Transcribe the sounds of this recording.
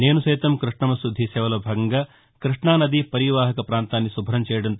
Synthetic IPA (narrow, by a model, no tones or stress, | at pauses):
neːnusɐjt̪ɐmkɾiʂɳɐmɐsɾud̪ʱːisɛːʋɐlɐbʱaːɡɐŋɡɐ | kɾiʂɳaːnɐd̪ipɐɾiʋaːɦɐkɐpɾaːnt̪aːnːisubʱɐɾɐmt͡ʃɛːjɐɽɐnt̪